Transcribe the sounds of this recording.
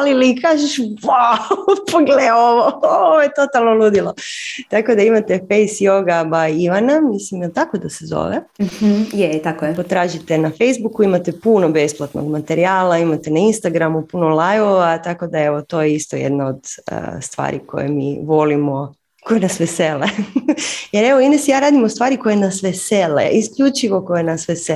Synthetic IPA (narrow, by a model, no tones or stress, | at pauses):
alilikaːʒeʃwaupoɡleoʋoooʋojet̪o̞t̪alˠnolud̪ilˠot̪akod̪aimat̪e̞fejsjoɡabaiʋanamislimjɛlt̪akod̪asezo̰ʋehjet̪akojpot̪ɾaːʒit̪e̞nafe̞jzbukuimat̪epunobe̞splˠat̪noɡmat̪eɾiaːlˠaimat̪enainst̪aɡɾamupunolˠajʋoʋat̪ako̞d̪ae̞ʋot̪o̞jeist̪ojḛd̪naod̪ə̰st̪ʋa̰ːɾḭkʰo̞̰jḛmḭːʋo̞limo̞ | kojenasʋesele | jeɾeʋoinesjaːɾaːd̪imost̪ʋaːɾiko̞jenasʋeselḛʔiskʎut͡ʃiʋo̞kojenasʋese